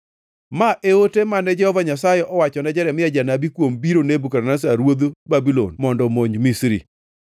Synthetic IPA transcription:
maʔeotemanɛd͡ʒɛhɔvaɲasajeʔɔwat͡ʃɔnad͡ʒɛɾɛmɪjad͡ʒanabikwombiɾonebukaɾnas̬aɾwod̪obabilo̰nmɔndɔmoɲmisɾḭ

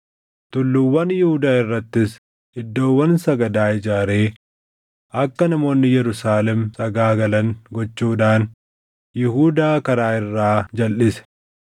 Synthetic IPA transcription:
t̪ʊlːʊwːɐnjɪhʊd̪aːɪrːɐt̪ːɪs | ɪd̪ːo̞ːwːɐnsɐɡɐd̪aːɪd͡ʒaːɾeː | ʔɐkːɐnɐmo̞ːnːɪjɛɾʊsaːlɛmsɐɡaːɡɐlɐŋɡɔt͡ʃːuːd̪aːn | jɪɦuːd̪aːkɐɾaːɪrːaːd͡ʒɐlʔɪsɛ̥

